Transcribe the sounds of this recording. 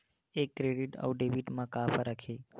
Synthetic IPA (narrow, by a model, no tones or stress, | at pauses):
ekːɾeɽiʈə̰wɖeʋiʈmãkafɾəkʰe